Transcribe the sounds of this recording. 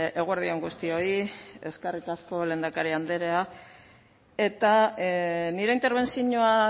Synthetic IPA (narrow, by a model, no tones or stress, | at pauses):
e̞ɣueɾðieŋɡust̪io̞ie̞skerikasko̞le̞ːnd̪akaɾiand̪e̞ɾea | e̞t̪a | niɾeint̪e̞ɾβ̞e̞nsiɲoa